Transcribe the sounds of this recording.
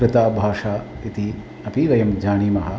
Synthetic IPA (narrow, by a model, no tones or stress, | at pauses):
ɾɨt̪aːbʱaːʂaː | it̪i | ɐpiʋɐjɐmd͡ʒaːɳiːmɐɦɐ̆